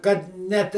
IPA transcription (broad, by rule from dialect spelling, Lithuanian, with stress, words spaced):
kɐt ˈnʲɛt